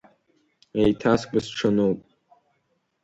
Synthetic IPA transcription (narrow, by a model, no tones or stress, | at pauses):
ejtʰaskʷɨsʈ͡ʂʰɐnowpʼ